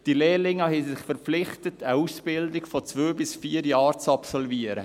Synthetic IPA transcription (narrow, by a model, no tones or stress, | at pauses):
d̥ileːlɪŋɑhɛsɪχfəɾp͡fflɪχtətəusb̥ɪldɪkfɔt͡sʋøːbɪsfiːəɾjɑːɾt͡sɑpsɔlviəɾə̰